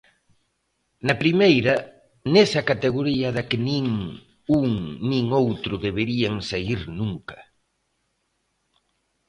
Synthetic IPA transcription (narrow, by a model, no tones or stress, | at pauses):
nɐpɾimejɾɐ | nesɐkat̪eɣ̞oɾiɐðɐkɪnĩŋ | uŋnĩŋowt̪ɾʊðeβeɾiaŋsaiɾnuŋkɐ̥